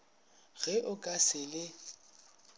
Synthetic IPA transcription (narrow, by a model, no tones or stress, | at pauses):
ɣɛʔʊkʼasɪlɪ